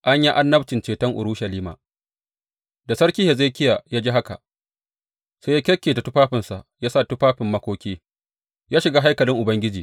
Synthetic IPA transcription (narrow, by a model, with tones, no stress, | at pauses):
ʔa˦ɲji˦ʔa˦nːɐ˦btɪ˨nt͡ʃeː˨tɐ˦ŋʔʊ̰˨ɾu˦ʃɐ˨liː˦ma̰ː˨ | da˨sɐ˦ɽkʲiː˦he˨za˦jkʲɪ˦ja˨jaː˦d͡ʒiː˦ɦa˦ka̰˨ʔ | sa˦jaː˦kʲɛ˦kʲːeː˨ta˨tʊ˦ɸaː˦ɸɪ˨nsa˨ʔjaː˦sa˦˨tʊ˦ɸaː˦ɸɪ˨mːɐ˦kʷoː˦kʲiː˦ | jaː˦ʃɪ˨ɡaː˦ɦa˦jkɐ˨lɪ˦ŋʔʊ˨bɐ˦ŋɡʲɪ˦d͡ʒiː˨